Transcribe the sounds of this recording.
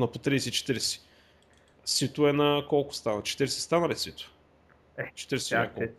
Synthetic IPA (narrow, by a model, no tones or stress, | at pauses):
nɐpot̪ɾiːsɛit͡ʃɛ̥t̪iɾɛsɛ̥ | sit̪ʊɛnɐkɔlˠkʊ̥st̪anɐt͡ʃɛ̥t̪iɾɛsɛ̥st̪anɐlisit̪ʊ̥ | ɛt͡ʃɛ̥t̪iɾɛsɛako